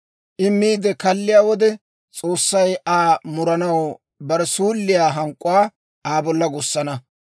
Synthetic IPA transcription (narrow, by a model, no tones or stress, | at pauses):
ʔɪmːiːd̪ɛkɐlːɪjaːwɔd̪ɛ | t͡sʼoːsːɐjʔaːmʊɾɐnɐw | bɐɾɛsuːlːɪjaːɦɐŋkʼːʊwaː | ʔaːbɔlːɐɡʊsːɐnɐ